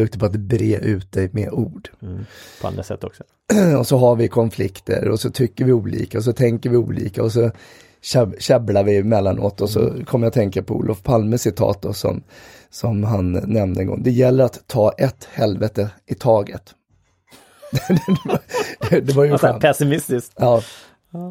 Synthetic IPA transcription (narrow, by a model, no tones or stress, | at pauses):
ɵkt̪əɾpʰɔat̪̚d̪ɛbɾeːʔʉ̟ːt̪̚d̪ɛjmḛuːɖpʰɔa̰nd̪ɾasɛ̰t̪ːɔksɔ | ɔsɔɦaɾvɪkʰɔnflɪkt̪ʰə̰ɾɔsɔt̪ʰʏkːəɾvɪuːlḭːkaɔs̬ɔt̪ʰɛŋkəɾvɪṵːlʔḭːkaɔs̬ɔ | ɕɛɕɛblaɾvɪmɛlːano̰t̪ɔsɔ̰kʰɔmːəjat̪ʰɛŋkapʰɔṵːlʔɔfpʰalməsɪt̪ʰɑ̰ːt̪̚d̪ɔ̰sɔ̰m | sɔmɦanːɛmd̪əɛŋɡɔ̰ŋd̪ɛjɛlːəɾat̪ʰːɑːʔɛt̪ːhɛlvɛt̪əʔɪt̪ʰɑːɡət̪ | d̪d̪ɛd̪ɛvd̪d̪ɛvajəɧpʰɛsɪmɪst̪ɪsk̪ɑː